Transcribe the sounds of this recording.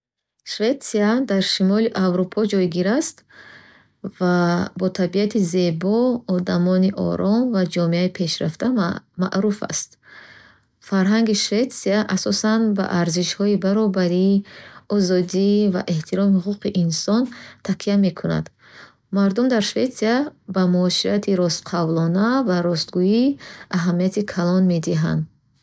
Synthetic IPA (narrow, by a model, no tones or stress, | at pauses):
ʃve̞t̪siad̪aɾʃimɔliʔavɾupʰɔd͡ʒɔjɡiɾast̪ | vabɔt̪ʰabiat̪ʰize̞bɔɔd̪amɔniʔɔ̰ɾɔmvad͡ʒɔmeaipʰe̞ʃɾaft̪ʰama̰ʔɾufa̰st̪ | faɾɦaŋɡiʃve̞t̪siaʔasɔsanba̰ʔaɾziʃhɔibaɾɔbaɾiɔzɔd̪iva̰ʔe̞ht̪ʰiɾɔmihuquqiʔinsɔnt̪ʰaqʰiame̞kʰuna̰d̪̥ | maɾd̪umd̪aɾʃve̞t̪siabamuɔsiɾat̪ʰiɾɔst̪qʰavlɔnavaɾɔst̪ɡuiaɦamiat̪ʰikʰalɔnme̞d̪iɦa̰nd̪